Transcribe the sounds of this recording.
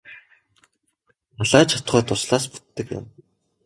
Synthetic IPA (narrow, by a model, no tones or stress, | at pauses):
naɮaːt͡ɕʰat̪ɢœːt̪ʊsɮaːspu̥t̪ːɘ̆kjʊ̰m